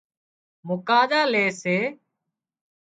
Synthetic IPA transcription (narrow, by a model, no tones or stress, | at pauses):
mʊkaːɗ̪aːleːseː